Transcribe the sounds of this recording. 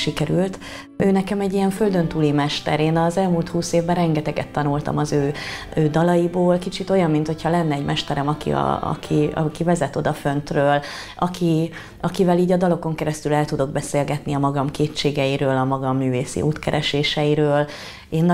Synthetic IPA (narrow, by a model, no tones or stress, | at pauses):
ʃikɛɾylt̪ | øːnɛkɛmɛɟːijɛɱfø̞ld̪ø̞nt̪uːlimɛʃt̪ɛ̰ɾeːnɒzɛlmuːlt̪huːseːvbɛrɛŋɡɛt̪ɛɡɛ̰t̪ːɒnult̪ɒ̰mɒzøːøːd̪ɒlɒjiboːlkit͡ʃit̪o̞jɒmːint̪ho̞chɒlɛnːɛːɟmʔɛʃt̪ɛɾɛmɒkḭɒ̰ɒ̰kʰiɒ̰kivɛzɛt̪o̞d̪ɒfø̞nt̪røːl | ɒkʰi | ɒkivɛliːɟɒd̪ɒlo̞ko̞ŋkɛɾɛst̪ylɛlt̪ud̪o̞ɡ̚bɛseːlɡɛt̪niɒmɒɡɒmkeːt͡ʃːeːɡɛjiɾøːlɒmɒɡɒmːyːveːsḭʔuːt̪kɛ̰ɾʔɛʃeːʃɛjiɾøːl | eːnː